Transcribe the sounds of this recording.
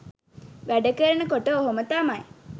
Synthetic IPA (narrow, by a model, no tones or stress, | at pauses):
ʋæɖəkəɾənəkoʈəoɦomət̪amaj